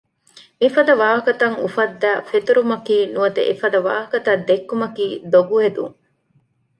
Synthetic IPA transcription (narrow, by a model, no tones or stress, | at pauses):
mifɐd̪ɐʋaːɦɐkɐt̪ɐŋufɐd̪ːæːfet̪uɾumɐkiːnuɐt̪ḛʔefɐd̪ɐʋaːɦɐkɐt̪ɐd̪ekːumɐkiːd̪oɡuɦed̪ṵŋ